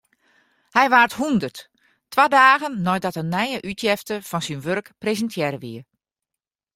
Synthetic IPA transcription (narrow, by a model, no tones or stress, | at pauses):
hɛjʋaːrthundərt | tʋadaːɣənːɔj̚dɔtənːɛjəʔytʰjɛftəfɔnsinʋørkprezəntʰjɛɾəʋḭə